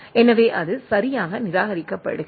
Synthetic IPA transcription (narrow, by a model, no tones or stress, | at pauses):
ɛnɐʋeːʔɐðɯsɐɾɪjaːɣɐnɪɾaːɣɐɾɪkːɐpːɐ̰ɽɯ